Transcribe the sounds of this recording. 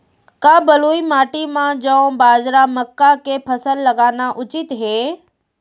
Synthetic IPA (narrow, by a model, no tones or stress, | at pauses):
kaːbɐluːimaːʈimãd͡ʒɐ̃baːd͡ʒɾamɐkːakepʰɐsəlːɐɡaːnaʔʊt͡ʃɪt̪ɦeː